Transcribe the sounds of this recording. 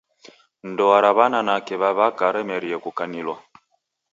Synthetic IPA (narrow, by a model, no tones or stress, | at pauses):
n̩dɔaɾaβananakɛβaβakaɾɛmɛɾiɛkukanilwa